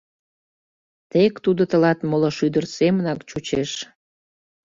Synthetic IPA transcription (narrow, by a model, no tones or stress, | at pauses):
t̪ekt̪ud̪ot̪əlɑt̪moloʃyd̪ərsemənɑkt͡ɕut͡ɕeʃ